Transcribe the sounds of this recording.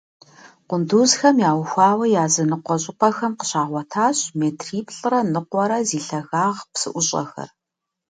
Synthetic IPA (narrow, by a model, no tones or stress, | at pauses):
qʷʊnduːzxɐmjaːwxʷɑːwɐjaːzɨnɨqʷɔɕʼɪpʰɐxɐmqə̥ɕaːʁʷɔtʰaːɕmeːtʰriːpʰɬʼɨrɐnɨqʷɔɾɐziːɬɐɣaːʁpsɨ̰ʔʷʊɕʼɐ̰xɐ̰r